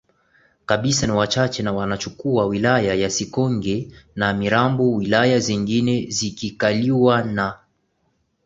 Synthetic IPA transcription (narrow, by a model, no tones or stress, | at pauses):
kaɓisaniwat͡ʃat͡ʃɛnawanat͡ʃukuawilajajasikɔŋɡɛnamiɾambuwilajaziŋɡinɛzikikaliwana